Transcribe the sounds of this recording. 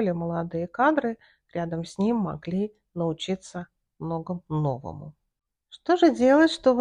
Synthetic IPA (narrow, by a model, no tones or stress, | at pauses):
lʲɪməlˠɐd̪ɨjəkad̪ɾɨ | ɾʲad̪əmsʲnʲimːɐ̰ɡlʲi | nəʊt͡ɕit̪sə | mnoɡəmno̞̰və̰mʊ̰ | ʂt̪o̞ʐɨdʲe̞lˠətʲʂt̪o̞b